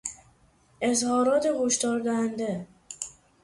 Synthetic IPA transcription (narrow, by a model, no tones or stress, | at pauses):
e̞zhɒːɾɒːt̪ʰehoʃt̪ɒːɾd̪æhænd̪e